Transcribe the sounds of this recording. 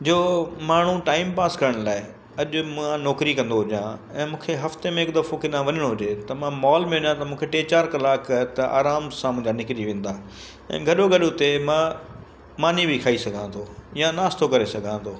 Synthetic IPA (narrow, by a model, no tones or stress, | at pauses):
d͡ʑoːmaːɳ̤ũʈaːɪmpaːskɐɾəɽ̃laːɪ | ɐʄʊmʊ̃ãnɔːkɾikɐ̃nd̪oɦʊd͡ʑjãɛ̃ːmũːkʰeɦɐft̪emẽɪkd̪ɐfokɪɗãʋɐɲəɽ̃oɦʊd͡ʑet̪ɐmãmɔːlmẽɦʊʄãt̪ɐmũːkʰeʈeːt͡ɕaːɾkɐlaːkt̪ɐʔa̰ːɾaːmsãmʊ̃ɦɪ̃ɲd͡ʑanɪkɪɾiʋẽːnd̪aː | ɛ̰̃ːɡʱɐɗoɡʱɐɗot̪emã | maːnibʱikʰaːisɐɡʱãt̪ʰojãnaːst̪ʰokɐɾesɐɡʱãːt̪ʰoː